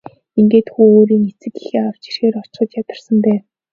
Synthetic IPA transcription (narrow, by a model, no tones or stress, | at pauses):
iŋɡeːt̪xuːoːɾiːŋet͡sɘ̆kixeːaw̥t͡ɕi̥rxeːɾɔ̥t͡ɕɢə̆t̪jat̪ə̆rsə̆mpæː